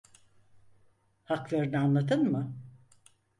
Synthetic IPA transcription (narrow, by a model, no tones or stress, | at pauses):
haklˠaɾɯnɯanlˠat̪ʰɯnmɯ